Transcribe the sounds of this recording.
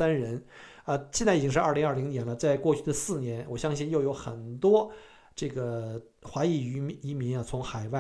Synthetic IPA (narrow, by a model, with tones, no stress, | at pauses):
a˥nɻə˧˥n | ə˧ɕjɛ˥˧nt͡sa˥˩i˨˩t͡ɕi˥ʂɻ̩˧ɐ˥˩li˧˥ŋɐ˞˥˩li˧˥ŋnjɛ˧˥nlə˧t͡sa˥˧ɪkwɔ˥˧t͡ɕʰy˥˩d̪ə˩sɹ̩˥˩njɛ˧˥nwɔ˨˩ɕjɑ˥ŋɕi˥˧njo˥˩ʊjo˧˥ʊxə̰˨˩nt̪wɔ˥ | ʈ͡ʂɤ˥˩ɡə˩ | xwa˧˥i˥˩y˧˥i˧˥mi˧˥nɐ˧t͡sʰʊ˧˥ŋxa˨˩ɪwa˥˩